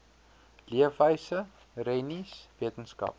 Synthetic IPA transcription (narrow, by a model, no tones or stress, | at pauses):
liəfəjsə | rɛnisviətənskɐ̰p̚